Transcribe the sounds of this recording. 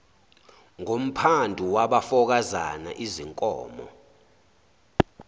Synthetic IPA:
ŋom̩pʰandʱuwaɓafɔk̬aza̰na̰ʔiziŋkʼɔ̰ːmɔ̰

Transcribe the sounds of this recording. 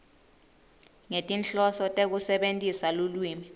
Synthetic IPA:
ŋetʼint͡ɬʼɔsɔtʼek̬usɛɓentʼisalulwiːmi

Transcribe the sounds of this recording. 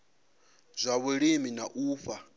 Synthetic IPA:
zʷaβuɺiminaʔuːfa

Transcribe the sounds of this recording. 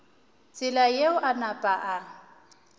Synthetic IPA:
t͡sʼɪlajeʊʔanapʼaʔa

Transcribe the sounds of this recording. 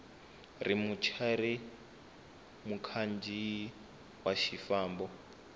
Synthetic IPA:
rimut͡ʃʰaɾi | mukʰand͡ʒʱi | waʃifaːmbɔ

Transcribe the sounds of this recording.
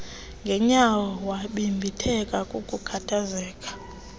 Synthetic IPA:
ŋɡʱɛɲawɔwaɓimbʱitʰɛkʼakʼukʼukʰatʰazɛːkʼḁ

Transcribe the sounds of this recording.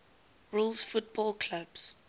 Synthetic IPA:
ɹuːlsfʊt̚bɔlkʰlabs

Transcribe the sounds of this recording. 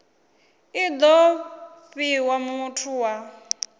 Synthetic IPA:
id̪ɔ | ɸiwamutʰuwa

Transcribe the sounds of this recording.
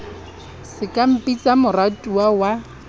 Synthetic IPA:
sɪkʼam̩pʼit͡sʼamʊratʼuawa

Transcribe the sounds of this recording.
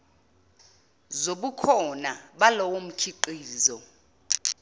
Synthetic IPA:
zoɓukʰɔnaɓalɔwom̩kʰiǃiːzɔ

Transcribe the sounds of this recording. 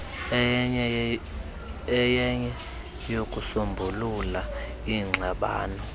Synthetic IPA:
ɛjɛɲɛ | jokʼusombʱulula | iŋ͡ǀʱaɓa̰ːnɔ

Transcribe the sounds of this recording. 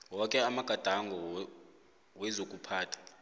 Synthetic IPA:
wɔkʼɛamaɡ̥ʱad̥ʱaŋɡʱɔ | wɛzokʼupʰaːtʰḁ

